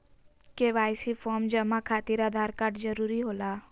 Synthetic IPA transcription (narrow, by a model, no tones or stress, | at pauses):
keʋajsifɔɾmd͡ʒəmãkʰat̪iɾad̪ʱaɾkaʈd͡ʒəɾuɾiɦola